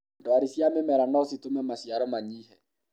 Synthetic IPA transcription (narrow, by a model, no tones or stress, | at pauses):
dɔaɾisjamemɛɾanaositomɛmasiaɾɔmaɲiːhɛ